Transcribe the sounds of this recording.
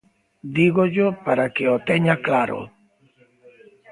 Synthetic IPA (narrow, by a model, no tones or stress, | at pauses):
d̪iɣoʎopaɾakeot̪eɲaklaɾo̰